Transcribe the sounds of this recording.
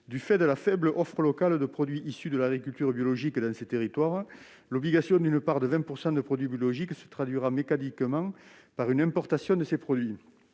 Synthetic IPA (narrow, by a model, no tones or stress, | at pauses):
d̪yfɛd̪əlafɛbləʔɔfχəlɔkald̪əpχɔd̪ɥiʔisyd̪əlaɡʁikylt̪yʁbjɔlɔʒikd̪ɑ̃set̪eʁit̪waʁ | lɔbliɡasjɔ̃nd̪ynəpaʁd̪əvɛ̃puʁsɑ̃d̪əpχɔd̪ɥibjɔlɔʒiksə̥t̪χad̪ɥiʁamekanikəmɑ̃ | paʁynɛ̃mpɔʁt̪asjɔ̃d̪əsepχɔd̪ɥi